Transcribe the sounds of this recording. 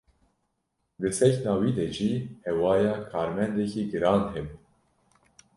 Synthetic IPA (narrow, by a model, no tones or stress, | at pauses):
d̪ɨsɛçnɑːwiːd̪ɛʒiːhɛwɑːjɑːkʰɑːɾmɛnd̪ɛkiːɡɨɾɑːnɦɛbu